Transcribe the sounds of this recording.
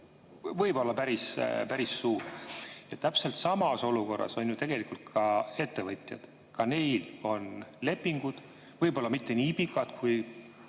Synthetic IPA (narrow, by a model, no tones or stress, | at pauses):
vɤjbo̞lːɑpæɾispæɾisːuːɾjɑt̪ːæpse̞lt̪sɑmɑso̞luko̞rːɑ̰so̞nʲjut̪e̞ɡ̥e̞likult̪̚kʰɑe̞t̪ːe̞vɤt̪ʲˑjɑ̰d̪̥ | kɑne̞jlo̞nle̞pːiŋɡ̥ud̪̥ | vɤjbo̞lːɑmit̪ːe̞nʲiipikːˑɑd̪̥kuj